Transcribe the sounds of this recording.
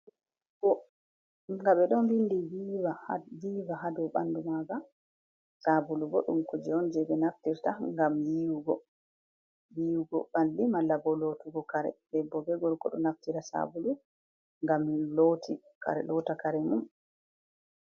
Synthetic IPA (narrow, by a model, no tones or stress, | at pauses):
ɡɔ | ŋɡaɓɛɗɔnbindiwiaviːvaɦadɔɓa̰ndumaɡa | sabuluɡɔ̰ɗṵmkɔd͡ʒɛɔnd͡ʒɛbɛnaftiɾtaŋɡamjiwuɡɔ | wiwuɡɔbandimalːabɔlotuɡɔkaɾɛ̰dɛbːɔbɛɡɔlkɔ̰ɗɔ̰naftiɾasa̰bulu | ŋɡamlotʰi | ka̰ɾɛ̰lɔtakaɾɛmum